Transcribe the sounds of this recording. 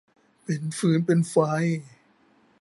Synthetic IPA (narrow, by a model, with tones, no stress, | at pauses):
pe˨nfɯː˨˦˥npe˧nfa˧j